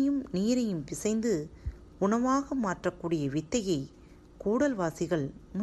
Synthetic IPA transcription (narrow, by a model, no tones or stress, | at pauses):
jɯmniːɾɐjɯmpɪsɐɪnd̪ɯ | ʊɳɐʋaːɣɐmaːʈrɐkːuːɽɪjɐʋɪt̪ːɐjɐɪ | kuːɽɐlʋaːsɪɣɐɭm